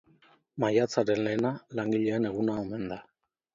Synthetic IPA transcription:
majat͡saɾe̞nle̞ːnalaŋɡiʎe̞ːne̞ɣunaome̞nd̪a

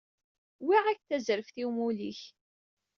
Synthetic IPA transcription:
wiʁækθæzɾəfθiwmuliç

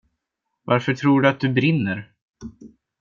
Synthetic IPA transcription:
vaɾfœʈʰɾuːɖɵat̪̚d̪ɵbɾɪnːəɾ

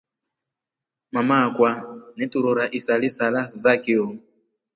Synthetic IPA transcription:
mamakʼwanɛtʼuɾuɾaʔisalisalad͡zakʼiɔ

